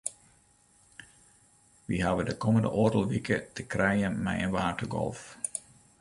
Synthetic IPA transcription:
ʋiɦaʋədəkɔməndə̰ʔoːdəlˠʋikətəkrɛjənmɛ̰jənʋaːtəɡɔ̰lˠf

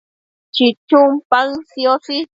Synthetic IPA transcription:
t͡ʃit͡ʃumpaŋsjosi

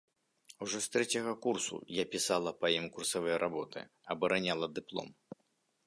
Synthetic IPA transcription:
uʐɔst̪ɾɛt͡sʲɐɣɐkursṵjapʲisalˠɐpɐimkursɐvɨjɐɾʔabɔt̪ɨ̰ | ɐbɐɾanʲalˠɐd̪ɨplˠɔ̰m

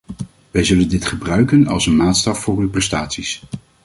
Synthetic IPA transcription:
ʋɛjzɵləndɪtχəbrœɥkənɑ̰lˠsənmaːtstɑffʊːrywprɛstaːtsis

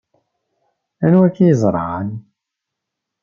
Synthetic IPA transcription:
ænwækːijəzˤɾˤɑ̰ʁə̰n

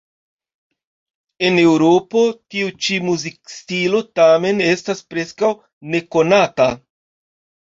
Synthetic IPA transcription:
e̞ne̞wɾo̞po̞tiut͡ʃimuzik̚stilo̞tame̞ne̞staspɾe̞skaw | ne̞ko̞nata

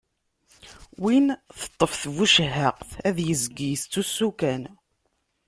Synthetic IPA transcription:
winθə̥t̪ˤːəfθvuʃəɦəqθæðjəzɡist͡s̪ːusːukæn

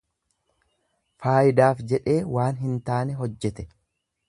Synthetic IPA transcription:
faːjɪd̪aːfd͡ʒɛᶑe̞ːwaːnɦɪnt̪aːnɛɦɔd͡ʒːɛt̪ɛ̥

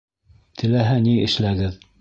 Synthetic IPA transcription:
t̪ʰɘ̆læɦæniɘ̆ʃlæɡɘð

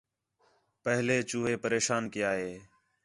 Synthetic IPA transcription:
pəɦleːt͡ʃuːɦeːpəɾeːʃaːnkɪjaːɦeː

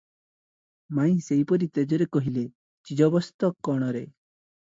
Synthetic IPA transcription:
maĩseipɔɾit̪ed͡ʒɔɾekɔɦile | t͡ʃid͡ʒɔbɔst̪ɔkːɔɽ̃ɔɾe

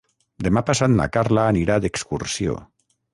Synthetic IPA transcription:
d̪emapasat̪na̰kaɾlaːniɾaðekskuɾsjo̰

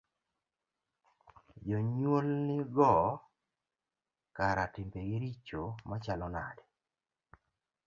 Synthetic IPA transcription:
d͡ʒoɲwolnɪɡɔ | kaɾatɪmbeɡɪɾit͡ʃomat͡ʃalɔnadɛ

